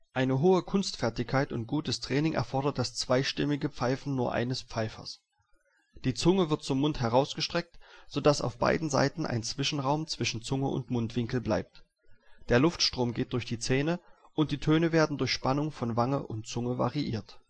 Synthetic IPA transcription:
ʔaɪnəɦoːəkʰʊnstfɛɐtɪçkʰaɪtʊnt̚ɡ̥uːtəstʁ̥ɛːnɪŋʔɛ̰ɐfɔɐɾɐt̚d̥ast͡sv̥aɪʃtɪmɪɡəp͡faɪfn̩nuːɐʔa̰ɪnəspp͡faɪfɐ̰s | d̥iːt͡sʊŋəvɪɐt̚t͡sʊmːʊnthɛʁaʊsɡ̥əʃtʁ̥ɛk̚tz̥odasa̰ʊfb̥a̰ɪdn̩za̰ɪtn̩ʔa̰ɪnt͡sv̥ɪʃn̩ʁaʊmt͡sv̥ɪʃn̩t͡sʊŋəʔʊ̰ntmʊntv̥ɪŋkl̩bla̰ɪp̚t | d̥eːɐlʊftʃtʁ̥oːmɡeːt̚d̥ʊɐçd̥iːt͡sɛːnə | ʔʊnt̚d̥iːtʰøːnəveːɐdn̩dʊɐçʃpanʊŋfɔnvaŋəʔʊntt͡sʊŋəva̰ʁiʔiːɐt

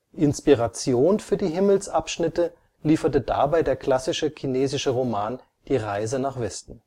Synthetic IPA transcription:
ʔɪnspiʁat͡sjoːnfyːɐdiːɦɪml̩sʔapʃnɪtə | liːfɐtəda̰baɪdeːɐkʰl̥asɪʃəkʰineːzɪʃəʁomaːn | d̥iːʁaɪzənaːχv̥ɛstn̩

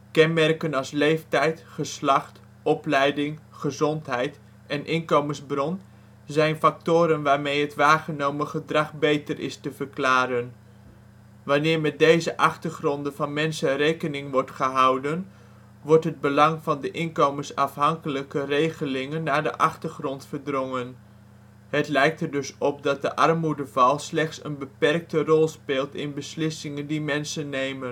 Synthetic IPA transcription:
kɛnmɛrkənɑlˠslejftɛjtχəslɑχt | ɔplɛjdɪŋχəzɔntɦɛjt | ʔɛnʔɪnkowmənzbrɔn | zɛjnfɑk̚tʊːɾənʋaːɹmejɦətʋaːχənowməχədrɑχbejtərɪ̰stəvəɹklaːɾən | ʋɑnɪːɹmɛd̚dejzəʔɑχtəɹχrɔndəvɑnmɛnsərejkənɪŋʋɔɹtχəɦʌwdən | ʋɔɹtɦəd̚bəlɑŋvɑndəʔɪnkowməsɑfɦɑŋkələkərejχəlɪŋənːaːɹdə̰ʔɑχtərχrɔntfəɹdrɔŋən | hətlɛjk̚təɹdʏsɔp̚dɑt̚dəʔɑrmudəvɑlˠslɛχtsənbəpɛrk̚tərɔlˠspɪːlˠtɪnbəslɪsɪŋəndimɛnsənːejmən

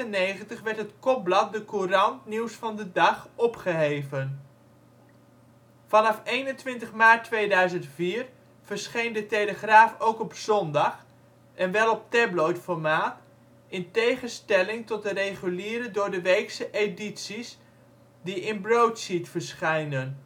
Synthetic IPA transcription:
tənejχəntəχʋɛɹtɦətkɔp̚blɑt̚dəkurɑntniwsfɑndədɑχɔpχəɦejvən | fɑnɑfejnəntʋɪntəχmaːtʋejdœɥzəntfiːɹ | v̥əɹsχejndətejləχraːfowkɔpzɔndɑχ | ɛnʋɛlˠɔp̚tɛblojtfɔɹmaːt | ɪntejχənstɛlɪŋtɔt̚dərejχyliːɾədʊːɹdəʋejksəʔeditsis | diɪnbrowtsitfəɹsχɛjnən

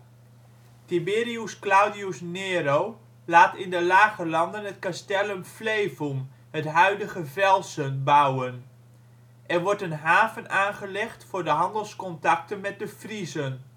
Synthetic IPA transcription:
tibɪːriusklawdiusneːɾow | laːtɪndəlaːɣəlɑndənətkastɛləmfleːvum | hətɦœɥdəɣəvɛlˠsənbawən | ʔɛrʋɔɹtənɦaːvənaːnχəlɛχtfʊɹdəɦɑndəlˠskɔntɑk̚tənmɛt̚dəfrizən

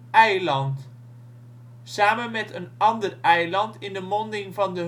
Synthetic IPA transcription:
ɛjlɑnt | saːmənmɛtənɑndərɛjlɑntɪndəmɔndɪŋvɑndə

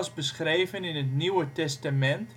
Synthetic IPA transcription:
sbəsχrejvənɪnɦətniwətɛstamɛnt

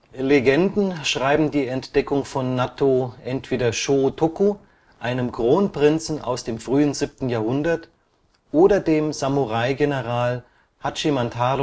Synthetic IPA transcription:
leɡɛndn̩ʃʁ̥aɪbm̩diːɛntd̥ɛkʊŋfɔnːatʰoʔɛntv̥eːdɐʃotʰoku | ʔaɪnəmkʁ̥oːnpʁ̥ɪnt͡sn̩a̰ʊsd̥eːmfʁ̥yːənzip̚tn̩jaːɐhʊndɐt | ʔoːdɐdeːmzamuʁaɪɡenəʁaːl | hat͡ʃimantʰaːd

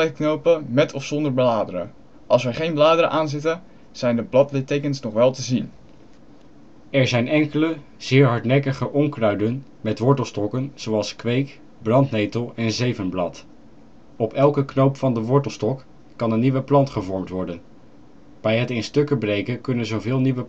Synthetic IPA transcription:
ɛknowpəmɛtʰɔfsɔndəɹbəlaːdəɾə̰ | ʔɑlˠsʋəχejnblaːdəɾəʔaːnzɪtə | z̥ɛjndəblɑtlɪtejkənsnɔχʋɛlˠtəzin | ɛɹzɛjnɛŋkələ | z̥ɪːɹɦɑɹtnɛkəχəʔɔŋkrœɥdən | mɛtʋɔɹtəlˠstɔkənz̥owɑlˠskʋejk | brɑntnejtəlˠɛnzejvənblɑt | ɔpɛlˠkəknowpfɑndəʋɔɹtəlˠstɔkː | ɑnənːiʋəplɑntχəvɔɹmtʋɔɹdən | b̥ɛjɦətɪnstɵkəbrejkəkɵnənzowvɪːlˠniʋə

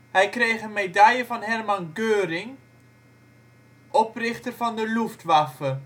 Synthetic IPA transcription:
hɛjkrejχənmedajəvɑnɦɛrmɑnɡøːɾɪŋ | ʔɔprɪχtərvɑndəluftʋɑfə

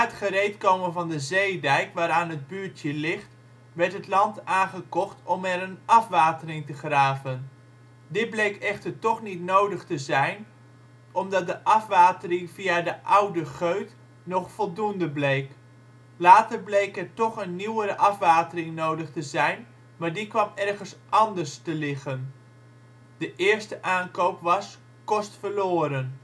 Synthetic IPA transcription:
aɦətχərejtkowmənvɑndəzejdɛjkʋaːɾaːnɦəd̚byːɹtjəlɪχt | ʋɛɹtɦətlɑntaːnχəkɔχtɔmɛɾənɑfʋaːtərɪŋtəχraːvən | dɪd̚blejkɛχtəɹtɔχnitnowdəχtəzɛjn | ɔmdɑt̚dəʔɑfʋaːtərɪŋviadəʔawdəχøɥt | nɔχfɔlˠdundəblejk | laːtərblejkɛrtɔχənːiwəɾəʔɑfʋaːtərɪŋnowdəχtəzɛjn | maːɹdikʋɑmɛrɣənsʔɑndərstəlɪɣən | d̥əʔɪːɹstəʔaːnkowpʋɑs | kɔstfəɹloːɾən

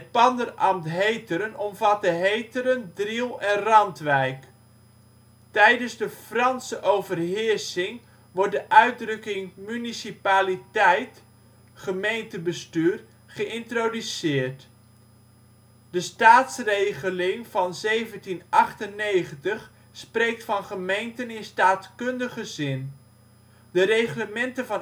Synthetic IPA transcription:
ɦət̚pɑndərɑmtɦejtəɾənɔmvɑtəɦejtəɾəndrilˠɛnrɑntʋɛjk | tɛjdənzdəfrɑnsəʔowvərɦɪɹsɪŋ | ʋɔɹrt̚dəʔœɥd̚rɵkɪŋmynisipaːlitɛjt | χəmejntəbəstyːr | χəʔɪntrodysɪːɹt | dəstaːtsrejχəlɪŋv̥ɑnzejvəntinɑχtənːejχəntəχ | sprejk̚tfɑnχəmejntənɪnstaːtkɵndəχəzɪn | dərejχləmɛntənvɑn

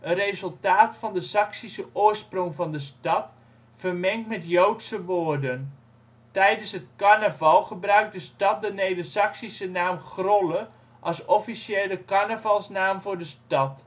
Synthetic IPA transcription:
ʔənrejzɵlˠtaːtfɑndəsɑksisəʔʊːrsproŋvɑndəstɑt | fərmɛŋtmɛtjowtsəʋoːrdən | tɛjdənsɦət̚kanəvɑlˠχəbrœɥk̚dəstɑt̚dənejdəsɑksisənaːmχrolə | ʔɑsɔfisjeːləkanəvɑlˠsnaːmvʊːɹdəstɑt

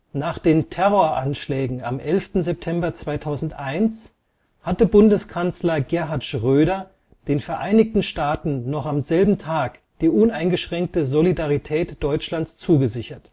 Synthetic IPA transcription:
naːχd̥eːntʰɛʁoɐʔanʃlɛːɡŋ̩a̰mʔɛlftn̩zɛp̚tʰɛmbɐt͡sv̥aɪtʰaʊzn̩tʔaɪns | hatəbʊndəskʰant͡slɐɡɛɐɦaɐtʃʁ̥øːdɐ | d̥eːnfɛɐʔaɪnɪçtn̩ʃtaːtn̩nɔχamzɛlbm̩tʰaːk | d̥iːʔʊnaɪnɡəʃʁ̥ɛŋk̚təzolidaʁitʰɛːtd̥ɔʏt͡ʃlanst͡suːɡəzɪçɐt

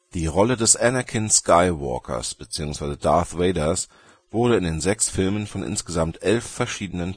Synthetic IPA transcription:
d̥iːʁɔlədɛsʔɛnɐkʰɪnskʰaɪwɔ̰ɐkʰɐ̰sb̥ət͡siːʊŋsv̥aɪzədaɐθʁeɪdɐs | v̥ʊɐɾəɪndeːnzɛksfɪlmənfɔnʔɪ̰nsɡ̥əzamtʔɛlfːɛɐʃiːdənən

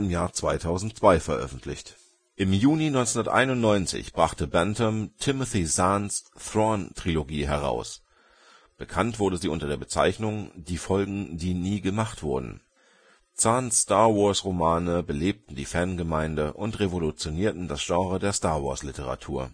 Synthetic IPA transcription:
ɪmjaːɐt͡sv̥aɪtʰaʊzn̩tt͡sv̥aɪfɛɐʔœ̰fn̩tʰlɪ̰çt | ʔɪmjuːninɔʏnt͡sʊndɐtʔa̰ɪnʊntnɔʏnt͡sɪ̰çb̥ʁaχtəbɛntʰəmtʰɪməθizansθʁɔntʁ̥iloɡiːɦɛʁ̞a̰ʊs | b̥əkʰantv̥ʊɐdəziːʔʊntɐdeːɐbət͡sa̰ɪçnʊŋd̥iːfɔlɡŋ̩diːniːɡəmaχtv̥ʊɐdn̩ | t͡sanstaɐvɔɐsʁomaːnəbəleːp̚tn̩diːfɛɐnɡəmaɪndəʔʊntʁevolut͡sjoniːɐtn̩dasʒ̥ɑ̃ːʁədeːɐstaːɐvɔ̰ɐslɪtʰəʁ̞a̰tʰṵːɐ

